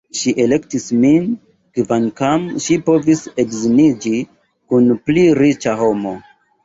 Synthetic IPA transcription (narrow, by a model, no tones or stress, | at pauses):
ʃiʔe̞le̞ktismin | kvankamʃipo̞vise̞kzinid͡ʒi | kunpliɾit͡ʃaɦo̞mo̞